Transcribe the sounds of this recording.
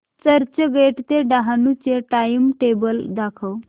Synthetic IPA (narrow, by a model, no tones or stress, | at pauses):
t͡səɾt͡ɕəɡeʈt̪eɖaɦanut͡ɕeʈajmʈebəld̪akʰəw